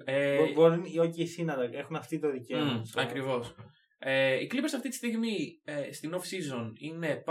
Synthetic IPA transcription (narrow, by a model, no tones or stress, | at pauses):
eboɾuno̞ciisinɐðɐe̞xunɐft̪it̪o̞ðiceomɐsɐkɾivo̞s | eiklipesɐft̪it̪i̥st̪iɣmiest̪ino̞fsizo̞nine̞p